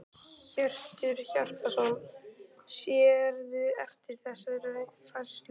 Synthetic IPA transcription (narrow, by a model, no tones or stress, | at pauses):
çœr̥t̪ʏɾ̥çar̥t̪asɔn | sjɛɾðʏɛft̪ɪɾ̥θɛsaðrejnfalst̪l